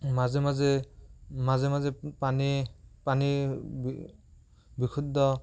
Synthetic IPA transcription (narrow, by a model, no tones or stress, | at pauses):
mazɛmazɛ | mazɛmazɛpanipanib | bikʰud̪ɔ